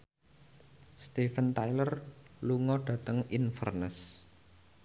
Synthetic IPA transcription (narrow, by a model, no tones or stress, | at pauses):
st̪efənt̪ajlərluŋɔɖ̥ä̤t̪əŋinfə̰rnəs